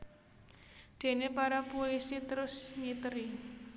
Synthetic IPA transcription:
d̪̥e̤nepaɾapolisit̪əɾʊsɲit̪əɾi

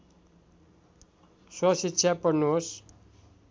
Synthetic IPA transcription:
swʌsitːɕʰjapʌrnuɦos

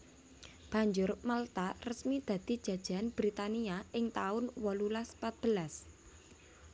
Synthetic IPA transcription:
b̥ä̤ɲd͡ʒʊrmalt̪arəsmid̪̥ä̤d̪̥i̤d̥ʒ̥ä̤d̥ʒ̥a̤nb̥ɾit̪aniaɪŋt̪aʊnwɔlulaspat̪̚b̥ə̤las

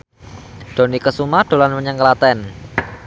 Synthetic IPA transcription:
d̪̥o̤nikəsumad̥o̤lanməɲəŋkəlat̪ɛn

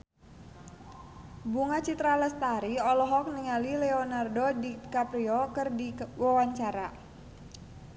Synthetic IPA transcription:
buŋat͡ʃit̪ɾaləst̪aɾiɔlɔɦɔk̚niŋalilɛonardodikapɾiɔkɨrdiwawaɲt͡ʃaɾa

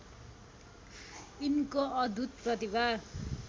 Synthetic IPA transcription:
inkoʌd̪ʱut̪̚prʌt̪ibar

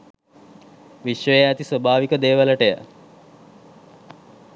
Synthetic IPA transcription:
ʋiʃʋəjeæt̪isobʱaːʋikəd̪eːʋələʈejə̰

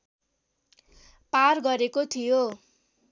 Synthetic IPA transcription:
parɡʌɾekot̪ʰijo

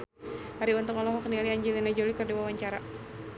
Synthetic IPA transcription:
haɾiunt̪ʊŋɔlɔɦɔknialiaɲd͡ʒɛlinad͡ʒolikərdiwawaɲt͡ʃaɾa

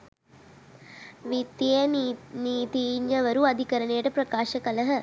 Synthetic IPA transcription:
ʋit̪ːijəniːt̪iɲːəʋəɾuad̪ʱikəɾənejəʈəpɾɐkaːʃəkələɦə

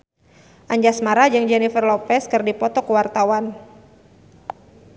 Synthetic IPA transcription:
ʔaɲd͡ʒasmaɾad͡ʒɨŋd͡ʒɛnifərlɔpɛskɨrdipɔt̪ɔkəwart̪awan

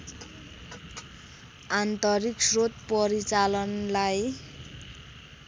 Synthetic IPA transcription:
ant̪ʌɾiksrot̪̚pʌɾit͡salʌnlaj

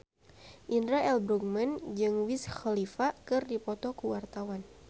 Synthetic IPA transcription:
ʔindɾaʔɛlbɾukmənd͡ʒɨŋwisxalifakɨrdipɔt̪ɔkuwart̪awan

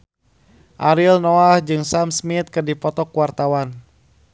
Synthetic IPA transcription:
ʔaɾilnɔahd͡ʒɨŋsamsmit̪̚kɨrdipɔt̪ɔkuwart̪awan

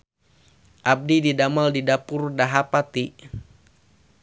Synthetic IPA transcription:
ʔab̚dididamaldidapurdaɦapat̪i

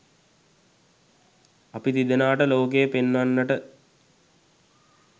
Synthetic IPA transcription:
apit̪id̪enaːʈəloːk̬ejəpenːanːəʈə

